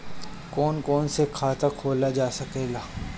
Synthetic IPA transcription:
kɔːnkɔːnsekʰaːt̪akʰoːlad͡ʒaːsɐkeːɡaː

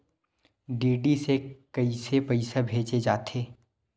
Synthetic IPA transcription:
ɖiːɖisekɐisepəɪsabʱeːt͡ʃed͡ʒaːt̪ʰeː

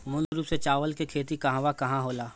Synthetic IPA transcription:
mʊlɡɾuːpset͡ʃaːʋəlkekʰeːt̪ikɐɦãʋakɐɦãɦoːlaː

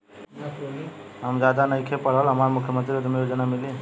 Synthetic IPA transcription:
ɦəmd͡ʒad̪anəjkʰepəɽɦəlɦəmaɾmʊkʰjəmə̃nt̪ɾiod̪mejod͡ʒənamili

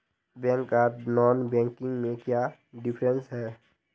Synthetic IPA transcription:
bɛ̃ŋkanɔːnbɛ̃ŋkɪ̃ŋɡmẽkjaː | ɖɪpʰɾə̃nsɦɛː

